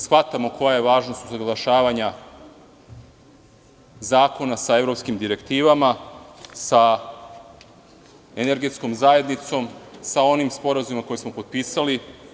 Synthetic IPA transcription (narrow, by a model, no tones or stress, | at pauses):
sxʋat̪amo̞ko̞jajeʋaːʒnost̪uzaɡlˠaʃaːʋaɲa | zaːko̞nasae̞vɾo̞pskimd̪iɾe̞kt̪iːʋamasa | eneɾɡe̞t̪sko̞mzaje̞d̪nit̪so̞msao̞nimspo̞ɾazumimako̞jesmo̞po̞d̪̚piːsali